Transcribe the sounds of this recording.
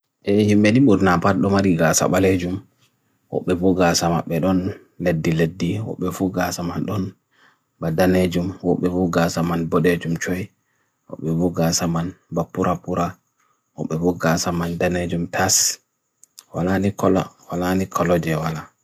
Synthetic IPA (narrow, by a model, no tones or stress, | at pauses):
ʔɛhimɓɛniɓuɾnapaɗɔmaɾiɡasa̰ɓaled͡ʒum | wɔ̰ɓːɛfuɡaːsama̰ɓːɛɗɔn | ledːiledːiwɔ̰ɓːɛfuɡasamanɗɔn | badaned͡ʒumwɔɓːɛfuɡasamanbɔɗed͡ʒumt͡ʃɔj | wɔ̰ɓːɛfuɡasamanbapːuɾʔapuɾa | wɔ̰ɓːɛfuɡasamandaned͡ʒumtʰas | wa̰lanikɔlawalanikʰɔlɔd͡ʒɛwala